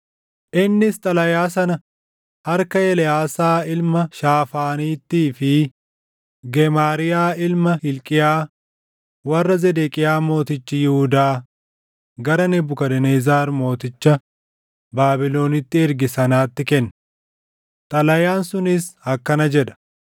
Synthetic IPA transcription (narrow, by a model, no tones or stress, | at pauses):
ʔɪnːɪst̪ʼɐlɐjaːsɐnɐ | hɐɾkɐjɛlɪjaːsaːɪlmɐʃaːfaːniːt̪ːiːfɪ | ɡɛmaːɾɪjaːɪlmɐhɪlkʼɪjaː | wɐrːɐzɛd̪ekʼɪjaːmo̞ːt̪ɪt͡ʃːɪjɪhʊd̪aː | ɡɐɾɐnɛbʊkɐd̪ɛneːzaːɾmo̞ːt̪ɪt͡ʃːɐ | baːbɪlo̞ːnɪt̪ːɪɛɾɡɪsɐnaːt̪ːɪkɛnːɐ | t̪ʼɐlɐjaːnsʊnɪshɐkːɐnɐd͡ʒɛᶑɐ̥